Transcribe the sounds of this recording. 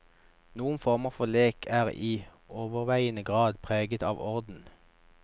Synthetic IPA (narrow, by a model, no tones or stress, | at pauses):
nuːənfɔʁməʁfɔleːkʰæːʁiː | oːʋəʁʋæɪənəɡʁɑːd̪pʰʁeːɡət̪ɑːʋɔʁd̪n̩